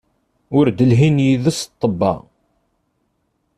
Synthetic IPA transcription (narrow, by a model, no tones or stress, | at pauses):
ʊɾd̪əlɦinjiðəst̪ˤːəbːɑ̰